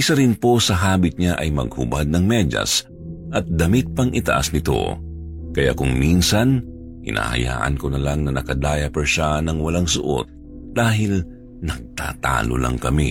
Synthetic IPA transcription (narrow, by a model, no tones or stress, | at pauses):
ʔɪsaɾɪnpo̞sɐɦaːbɪt̪̚ɲaʔɐjmɐɡ̚hʊ̰bad̪̚nɐŋmɛd͡ʒɐ̰s | ʔɐt̪̚d̪ɐmɪt̪̚pɐŋɪt̪ɐ̰ʔa̰snɪt̪o̞̰ | kɐja̰kʊŋminsɐn | hɪ̰na̰ːhɐ̰ja̰ːʔɐ̰nkonɐlaŋnɐnɐkɐd̪aːjɐpɛɹʃanɐŋwɐlaŋsʊʔo̰t̪̚ | d̪̥aːɦɪl | nɐɡ̚t̪a̰ːt̪a̰ːlo̰lɐ̰ŋkɐmi